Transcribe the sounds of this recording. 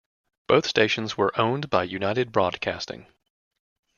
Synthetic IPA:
b̥oʊθsteɪʃɨ̃n̩zwə˞ʔõʊ̃nbaɪjʉnaɪɾɨd̚bɹɔd̚kʰæ̰stɪ̰̃ŋ

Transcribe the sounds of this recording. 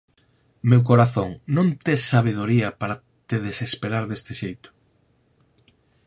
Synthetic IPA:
mewk̬oɾaθoŋnõnt̪esaβ̞eð̞oɾiɐpaɾɐ | t̪eðesespeɾaɾðest̪ɪʃejt̪ʊ̥

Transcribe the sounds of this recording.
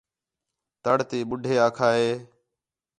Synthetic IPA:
t̪əɽt̪iːɓʊɖʱeːaːkʰaːɦeː

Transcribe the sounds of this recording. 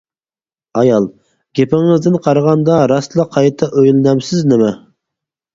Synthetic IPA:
ɑjɑlˠ | ɡʲepɪŋɨzd̪ɪnqʰɑɾʁɑnd̪ɑɾɑslˠɑqʰɑjt̪ʰɑʔøjlnɛmsɪznɪmɛ

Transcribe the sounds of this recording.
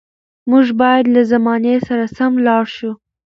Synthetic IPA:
muʒbɑjad̪lazamɑnesaɾasamlɑɽʃu

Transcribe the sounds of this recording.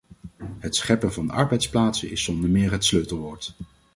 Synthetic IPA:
ɦətsχɛpənvɑndəɑ̰ɹbɛjtsplaːtsənɪsɔndəɹmɪːɹɦətsløɥtəlˠʋɔːɹt

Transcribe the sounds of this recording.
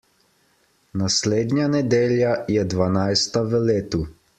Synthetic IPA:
nasleːd̪njanɛd̪eːljajɛd̪ʋanajst̪aʋəleːt̪u

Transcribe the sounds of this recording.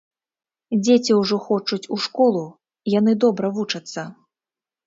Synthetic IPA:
d͡zʲet͡sʲiwʐɔxɔt͡ʂut͡sʲuʂkɔlˠu | janɨd̪ɔbɾɐvut͡ʂɐt̪sːɐ

